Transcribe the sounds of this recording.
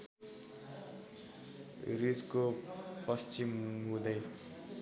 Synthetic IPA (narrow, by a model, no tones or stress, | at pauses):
ɾid͡zkopʌst͡ʃimɦũd̪ʌj